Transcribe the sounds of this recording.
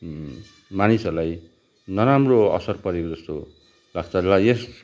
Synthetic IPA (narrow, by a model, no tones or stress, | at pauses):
manisʌɾulaj | nʌɾamroʌ̰sʌrpʌɾekod͡zʌst̪o | laɡt͡sʰalajes